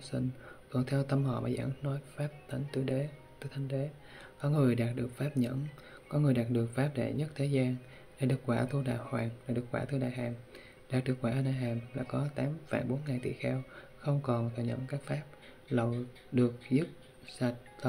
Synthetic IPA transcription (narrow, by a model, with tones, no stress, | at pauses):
sḭ˧ŋkɔ˨˩nt̪ʰɛ˧wt̪ə˧mhɔ̰˧˨˩maː˨˩za̰ː˧˥nnɔ˨˦jfaː˦˥p̚t̪ə˨˦ŋt̪ɨ˧˦ɗe˨˦t̪ɨ˧˦jt̪ʰa˨˧jŋ̟ɗe˨˦ | kɔ˨˦ŋɨ˨˩əjɗaː˨˩t̚ɗɨ˨˩ək̚faː˦˥p̚ɲə̰˧˥n | kɔ˨˦ŋɨ˨˩əjɗaː˨˩t̚ɗɨ˨˩ək̚faː˦˥p̚ɗḛ˧˩ɲə˦˥t̚t̪ʰe˨˦zaː˧n | ɗḛ˧˩ɗɨ˨˩k̚kwaː˧˩t̪ʰu˧ɗaː˧˨jhwaː˨˩nɗaː˨˧˩ɗɨ˨˩ək̚kwaː˧˩t̪u˧ɗa̰ː˨jɦaː˨˩m | ɗaː˨˩k̚ɗɨ˨˩k̚waː˧˩˧nɗaː˧˨˩jɦaː˨˩mlaː˨˩kɔ˨˦t̪aː˨˦mfa̰˧˩jɓo˨˦nŋaː˨˩nt̪ḭ˧˨xɛ˧w | xə˧wŋ͡mkɔ˨˩nt̪ʰə˧˩ɲə̰˧˥nkaː˦˥k̚faː˦˥p̚ | lə˨˩w | ɗɨ˨˩ək̚zɨ˦˥p̚ | sa˨˩t̚t̪